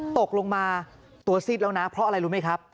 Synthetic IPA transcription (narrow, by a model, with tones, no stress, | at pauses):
t̪o˨˩k̚lo˧ŋmaː˧ | t̪u˨˩˦ɐsi˨˩t̪̚laː˧wna˦˥pʰɾɔ˦˥ʔa˧ɾa˧jɾuː˦˥ma˦˥jkʰa˦˥p̚